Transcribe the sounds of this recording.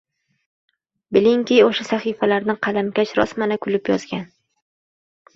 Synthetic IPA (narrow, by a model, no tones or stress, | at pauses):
bɪliŋkʲijoʃasaχifalaɾnɪqʰɑlamkʲat͡ʃɾɒ̰smanɪkʰʊlɪpjɒz̥ɡʲan